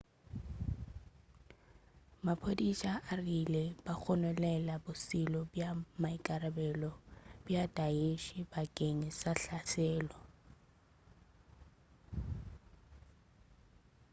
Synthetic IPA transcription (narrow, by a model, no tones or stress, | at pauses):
mapʰodiʃaʔarilebak͡xʰɔnɛlɛlabʊsilɔbjamaikʼaɾabɛlɔbjadaeʃibakʼeŋisaɬasʰɛːlɔ